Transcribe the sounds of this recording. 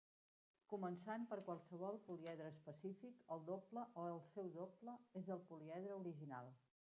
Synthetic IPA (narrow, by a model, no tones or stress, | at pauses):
kumənsanpəɾkwalˠsəβ̞ɔlˠpuliɛðɾəːspəsifikəlˠd̪opləʔoəlˠsɛwðopləezəlˠpuliɛðɾəuɾiʒina̰lˠ